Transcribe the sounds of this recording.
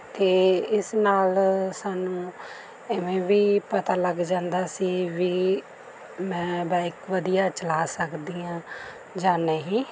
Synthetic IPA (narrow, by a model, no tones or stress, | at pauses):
t̪eːɪsnaːlsaːnũː | ɪʋẽːʋiːpət̪aːləɡd͡ʒãːnd̪aːsiːʋiː | mɛ̃ːbɛːɪkʋəd̪ijaːt͡ʃəlaːsəkd̪iːãː | d͡ʒaːnəɦĩː